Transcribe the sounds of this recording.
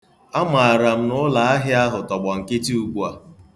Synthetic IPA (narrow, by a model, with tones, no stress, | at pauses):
a˦ma˨a˨ɾa˨m̩˦nʊ˦la˨a˦ɦɪ˦a˦ɦʊ˨tɔ˨ɡ͡bɔ˨ŋ̩˨kɪ˦ti˦u˨kʷu˦a˨